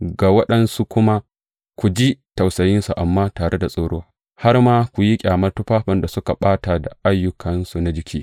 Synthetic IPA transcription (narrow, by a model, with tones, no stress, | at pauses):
ɡaː˨wɐ˦ɗɐ˦nsu˦kʷʊ˦ma˦ | kʷu˨d͡ʒi˦tɐ˨wsɐ˨jɪ˦nsu˨ʔa˨mːaː˦taː˨ɽe˦da˨sʼoː˦ɽoː˦waː˦ | ha˦rmaː˦kʷu˨ji˦kʲʼaː˨mɐ˦rtʊ˦ɸaː˦ɸɐ˨nda˨sʊ˦ka˨ɓaː˦ta˨da˨ʔa˦jːʊ˦kʰɐ˨nsu˨na˦d͡ʒɪ˦kʲiː˦